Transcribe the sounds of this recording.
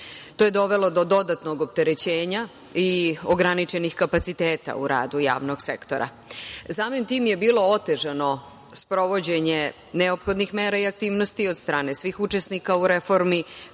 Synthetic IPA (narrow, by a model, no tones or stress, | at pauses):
t̪oje̞d̪o̞ʋelo̞d̪o̞d̪o̞d̪at̪no̞ɡop̚t̪eɾet͡ɕeːɲa | ioɡɾanit͡ʃenixkapat̪sit̪eːt̪a̰ṵɾa̰ːd̪uja̰ːʋno̞ɡsḛkt̪o̞ɾʔa̰ | saːmimt̪iːmje̞biːlo̞ot̪e̞ʒano̞ | spɾo̞ʋo̞d͡ʑe̞ɲe | neopxo̞d̪nixmeːɾaiak̚t̪iːʋnost̪iod̪st̪ɾaːne̞sʋixut͡ʃesnikauɾefo̞ɾmi